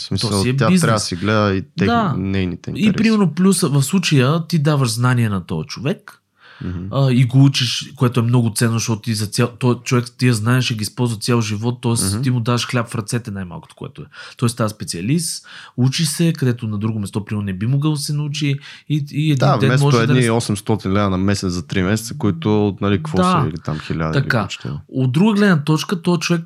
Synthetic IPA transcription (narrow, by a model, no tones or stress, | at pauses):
smisɔiɛabizaɛsiɡlɛd̪əit̪d̪ɛanɛjnit̪ɛ̰ḭiɾpɾimɛɾnoplʲusəvɐfslˠut͡ʃəjət̪id̪avəʃznaniɛnɐt̪ɔjt͡ʃovɛk | əiɡout͡ʃiʃkoɛt̪oɛmnɔɡʊt̪sɛnːozɐʃt̪ɔt̪ʊt̪izɐt̪sʲjat̪ɔjt͡ʃovɛkt̪ijəznaɛʃiɡiispɔlˠzvət̪sjalˠʒivɔt̪ːɔɛsimʊd̪avɐʃxlʲapfɾɐt̪sɛt̪ɛnajma̰lˠko̥t̪o̥koɛ̰t̪oɛt̪ɔɛst̪aspɛt̪siɐlist̪ut͡ʃisɛkɐd̪ɛt̪onɐd̪ɾuɡʊmɛst̪ɔpɾimɛɾonɛbimoɡəlˠd̪ɐsɛnɐut͡ʃiː | ɛd̪d̪inavɛnmɛsmɔʒɛɛd̪iɔsɛmst̪ɔt̪inlɛd̪ənɐmɛsɛt̪zɐt̪ɾimɛsɛt̪səkoit̪ʊnɐlikkvɔaḭlit̪a̰mxilʲa̰d̪t̪ɐikat͡ʃt̪ɛ̰od̪ɾuɡəɡlɛd̪nət̪ɔt͡ʃkət̪ɔɛt͡ʃovɛk̚